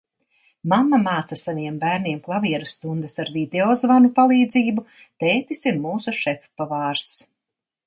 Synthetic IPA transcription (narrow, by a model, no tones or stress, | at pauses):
mamːamaːt̪sasaniɛmbæːɾniɛmklˠaviɛɾust̪und̪ɛsaɾd̪id̪eɔzvanupalˠiːd̪ziːbu | t̪eːt̪isiɾmuːsuʃɛfpavaːɾs